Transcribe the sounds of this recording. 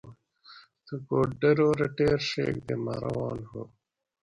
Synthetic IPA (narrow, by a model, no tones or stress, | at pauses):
t̪əɡoːɖɐɾoːɾɐʈeːɾɕḛːk̚d̪emaːɾɐwɑːnho